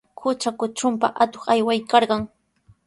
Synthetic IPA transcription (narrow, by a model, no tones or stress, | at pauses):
kʊt͡ʃakʊt͡ʃʊmpaʔat̪oχajwajkɑɾɢɑŋ